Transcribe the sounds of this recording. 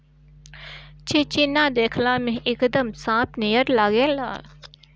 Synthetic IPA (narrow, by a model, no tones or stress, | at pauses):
t͡ʃʰet͡ʃinaːd̪eːkʰlamẽɦʔɪkd̪əmsãːpʰnijəɾlaːɡeːla̰ː